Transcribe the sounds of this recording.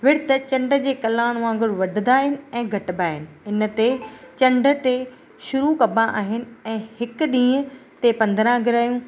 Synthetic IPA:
ʋɪɽt̪ɐt͡ɕɐ̃ɳɖə̆d͡ʑeːkɐlãːɽ̃ʋãːŋɡʊɽʋɐd̪̆ʱd̪aːɦɪnɪ̆ɛ̃ːɡʱɐʈbaːɦɪnɪ̆ɪnt̪et͡ɕɐ̃ɳɖʱə̆t̪e | ʃʊɾukɐbʱãʔaːɦɪnɪ̆ɛ̃ːhɪk̆ɗĩːət̪epɐ̃nd̪ɾãɡʱɪɾaːjũː

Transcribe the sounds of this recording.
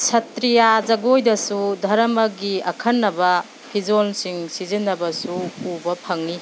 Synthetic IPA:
sɐtɾijazɐɡojdɐsudʱɐɾɐmɐɡiɐkʰɐnːɐbɐ | pʰid͡ʒolsiŋsizinːɐbɐsuubɐpʰɐŋni

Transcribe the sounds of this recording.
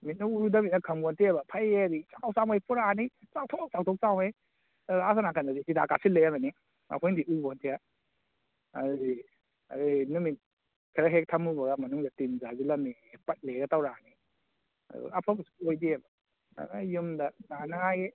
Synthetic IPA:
mit̚nuuɾudɐminɐkʰɐmbɔntʰiabɐpʰajeɾit͡ʃakʰawsawmajpuɾani | t͡ʃawtʰɔk̚t͡ʃawtʰɔk̚t͡ʃawmej | as̬anakʰanadizidakasilːejabani | a̰kʰɔjndiʔubɔntʰija | aɾi | a̰ɾinumit | kʰaɾaɦek̚tʰɐmubɐɡamɐnuŋdɐtinzazilɐmipɐt̚leɡɐtawɾani | a̰dṵapʰɔmasu̥ojdiebɐ | a̰najumdɐnanaaje

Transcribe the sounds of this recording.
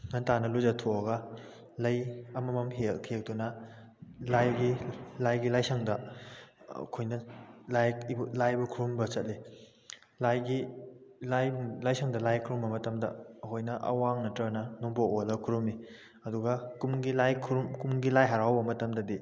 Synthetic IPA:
ŋɐntanɐluzɐtʰoɐɡɐ | lɐjɐmɐmɐmɦelkʰek̚tunɐ | lajɡilajɡilajsʰɐŋdɐ̰ | kʰojnɐlajblajbɐkʰuɾumbɐsɐt̚li | lajɡilajlajsɐŋdɐlajkʰɾumbɐmɐtɐmdɐ̰ːkʰojnɐʔɐ̰waŋnɐtɾɐnɐnoŋboolɐkʰuɾumi | ɐduɡɐkumɡilajkʰuɾumkumɡilajɦaɾawbɐmɐtɐmdɐdi

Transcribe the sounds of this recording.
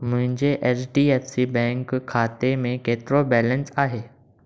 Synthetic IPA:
m̤ə̃ɦɪɲd͡ʑeʔesɖiefsibɛ̃ŋkkʰːat̪emẽket̪ɾobɛlənsaɦe

